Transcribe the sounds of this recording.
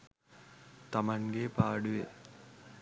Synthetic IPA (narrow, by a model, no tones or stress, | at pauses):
t̪ɐmɐŋɡeːpaːɽuʋḛ